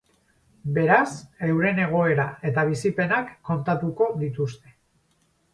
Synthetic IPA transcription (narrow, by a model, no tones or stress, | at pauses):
be̞ɾase̞wɾe̞ne̞ɣ̞o̞e̞ɾae̞t̪aβ̞isipe̞nakːo̞nt̪at̪uko̞ðit̪ust̪e̞̥